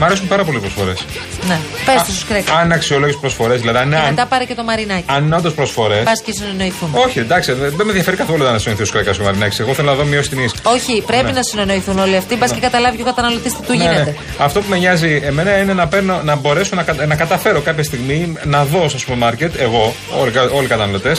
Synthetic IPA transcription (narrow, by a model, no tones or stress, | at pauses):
mɐɾesumpɐɾɐpo̞lipɾosfo̞̰ɾe̞s | nepesst̪ost̪u̥skɾekɐɐnnɐksio̞loʝespɾosfo̞ɾe̞zðilɐðiɐninemet̪ɐpɐɾicet̪o̞mɐɾinɐciɐnineo̞nd̪ospɾo̞sfo̞ɾesbɐscesineno̞iθumo̞çind̪ɐksiemeðʝɐfe̞ɾikɐθoluod̪ɐnɐsinoiθist̪skɾekɐsomɐɾinɐci̥seɣoθelonɐðomiosi̥t̪inisoçipɾepinɐsine̞no̞iθuno̞liɐft̪ibɐscekɐt̪ɐlɐvicokɐt̪ɐnɐlo̞t̪ist̪it̪uʝieneet̪e | ɐft̪o̞pumeɲɐzieme̞nɐinenɐpeɾno̞nɐbo̞ɾe̞sonɐkɐnɐkɐt̪ɐfe̞ɾo̞kɐpçɐst̪iɣminɐðo̞sɐsupeɾmɐɾce̞t̪e̞ɣo̞ | o̰likɐo̞likɐt̪ɐnɐlo̞t̪e̞s